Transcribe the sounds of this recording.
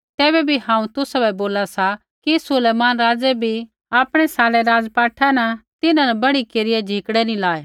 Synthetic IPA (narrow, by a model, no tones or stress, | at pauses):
t̪ɛːbɛbʱihãːũt̪ʊsabɛboːlasa | kisʊleːmaːnɾaːd͡ʒɛbʱi | aːpɽ̃ɛsaːlɛɾaːd͡zpaːʈʰanɐt̪ɪnãnɛbɐɽikeːɾɪjɛd͡ʒʱikɽɛnĩlaːe